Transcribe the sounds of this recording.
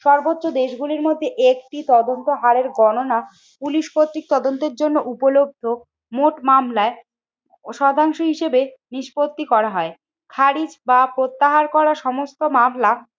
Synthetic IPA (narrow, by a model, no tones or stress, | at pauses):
ʃɔɾbotːɕod̪eʃɡuliɾmod̪ʱːeʔek̚ʈit̪ɔd̪ont̪oɦaɾeɾɡɔnona | puliʃkot̪ːɾik̚t̪ɔd̪ont̪eɾd͡ʑonːoʔupolob̚d̪ʱo | moʈmamlae | ʃɔd̪ʱaŋʃoɦiʃebeniʃpot̪ːikɔɾaɦɔe | kʰaɾid͡ʑbapɾot̪ːaɦaɾkɔɾaʃɔmost̪omamla